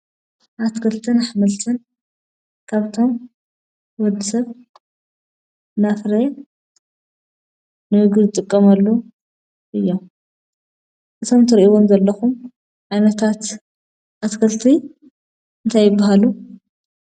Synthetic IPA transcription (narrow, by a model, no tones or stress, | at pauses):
ʔat̪kʰɐlt̪ʰɨnaħmɐlt̪ʰɐn | kʰaβt̪ʰo̞m | wɔd̪ɨsɐβ | nafɾe | nɨhɨɡɨzɨt̪ʼɨkʼːɐmɐlːo | ʔɨjːom | ʔɨt̪ʰo̞mt̪ʰɨɾʔiwomzɐlːɐxum | ʕajnɐt̪ʰat̪ | ʔat̪kʰɐlt̪ʰi | ɨnt̪ʰajːɪbːaɦalu